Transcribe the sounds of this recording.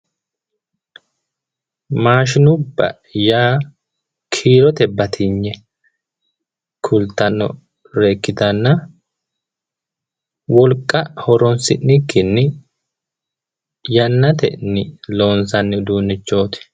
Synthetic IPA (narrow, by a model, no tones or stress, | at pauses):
maːʃɪnʊbːɐ̰ | jaː | kʰiːɾɔt̪ɛbɐt̪ʰɪɲːɛ | kʰʊlt̪ːɐnːɔ̰ | ɾe̞ːkːɪd̪ɐnːɐ | wɔlkʼːɐhɔɾɔnsɪ̰nːɪkːɪnːɪ | jɐnːɐt̪ɛ̰nːɪlo̞ːnsɐnːɪd̪uːnːɪt͡ʃːo̞ːt̪ɪ̥